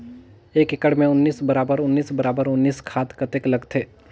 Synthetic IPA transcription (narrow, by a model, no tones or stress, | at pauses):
eːkɪkəɽmẽʊnːiːsbɐɾaːbəɾʊnːiːsbɐɾaːbəɾʊnːiːskʰaːt̪kɐt̪eːklɐɡt̪ʰeː